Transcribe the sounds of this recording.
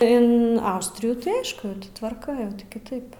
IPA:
ɪn ˈɐʊsʲtʲrʲɪjuː tɐɪ ˈɐɪʃkʊ tʲɪ tʋɐrˈkɐ kʲɪˈtɐɪp

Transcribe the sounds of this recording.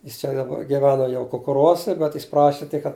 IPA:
ˈjɪs t͡ʃʲɛ dɐˈbɐ ɡʲɪˈʋʲæːnoː jɛʊ kʊkʊˈruɔsʲɛ bʲɛt jɪs ˈprɑːʃʲɪ tʲɪk kɐt

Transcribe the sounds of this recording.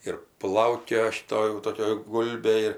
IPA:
ɪr ˈplˠɐʊkʲoːjɛ ʃʲɪˈtoː jɛʊ ˈtoːkʲɛ ˈɡʊlʲbʲeː ɪr

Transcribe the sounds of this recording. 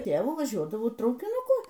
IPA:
ˈtʲeːʋʊ ʋɐˈʒʲuɔdɐʋɐʊ trɐʊkʲɪnʊˈkʊ

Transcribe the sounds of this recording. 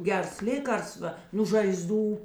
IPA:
ˈɡʲɛrs ˈlʲeːkɐrsʋɐ nuː ʒɐɪˈzduː

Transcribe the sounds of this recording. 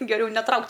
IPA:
ɡʲɛˈrʲɛʊ nʲɛˈtrɐʊktʲ

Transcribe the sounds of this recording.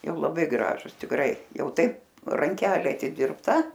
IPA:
ˈjɛʊ lˠɐˈbɐɪ ˈɡrɑːʒʊs tʲɪkˈrɐɪ ˈjɛʊ ˈtɐɪp rɐŋʲˈkʲæːlʲeː ɐtʲɪdʲɪrpˈtɐ

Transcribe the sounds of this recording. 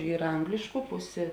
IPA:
ˈiːrɐ ˈɐŋɡlʲɪʃkʊ ˈpʊsʲeː

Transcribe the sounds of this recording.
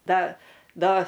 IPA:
ˈdɐ ˈdɐ

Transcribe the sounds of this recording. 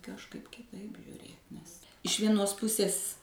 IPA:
kɐʃˈkɐɪp kʲɪˈtɐɪp ʒʲʊˈrʲeːt nʲɛs ɪʃ ˈʋʲiɛnoːs ˈpʊsʲeːs

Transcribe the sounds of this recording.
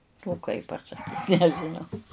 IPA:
oː kɐɪ pɐsɐˈkʲiːt nʲɛʒʲɪˈnɐʊ

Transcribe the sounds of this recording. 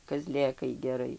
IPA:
kɐˈzʲlʲeːkɐɪ ɡʲɛˈrɐɪ

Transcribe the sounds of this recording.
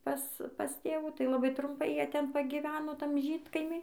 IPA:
ˈpɐs pɐs ˈtʲeːʋuː tɐɪ lˠɐˈbɐɪ trʊmˈpɐɪ ˈjiɛ ˈtʲɛn pɐɡʲiːˈʋʲæːnoː ˈtɐm ˈʒʲiːtkɐɪmʲiː

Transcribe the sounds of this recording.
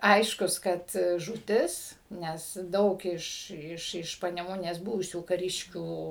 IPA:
ˈɐɪʃkʊs kɐt ʒuːˈtʲɪs ˈnʲɛs ˈdɐʊk ɪʃ ɪʃ ɪʃ pɐnʲɛˈmʊnʲeːs ˈbʊʋʊsʲuː kɐˈrʲɪʃʲkʲuː

